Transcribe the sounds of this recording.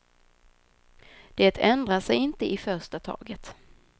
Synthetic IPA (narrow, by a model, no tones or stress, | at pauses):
d̪̥eːt̪ʰɛnd̪ɾaʂɛjɪnt̪əʔɪfœʂʈat̪ʰɑ̰ːɡət̪